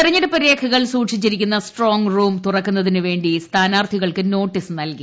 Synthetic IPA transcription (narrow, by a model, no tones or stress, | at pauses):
irɐɲːɐlɐpɐɾjeːkʰɐɣɐɭsuːʈʂit͡ɕːiɾikʲːunːɐsʈro̞ːŋɡruːmt̪urɐkːunːɐðinɨʋe̞ːɳɖist̪ʰaːnaːrt̪ʰiɣɐɭkɨno̞ːʈːisnɐlki